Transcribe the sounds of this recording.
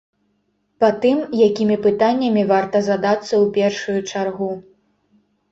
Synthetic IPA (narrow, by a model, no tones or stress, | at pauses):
pat̪ɨmjakʲimʲipɨt̪anʲːɐmʲivart̪ɐzad̪at̪sːɐwpʲɛrʂujut͡ʂarɣu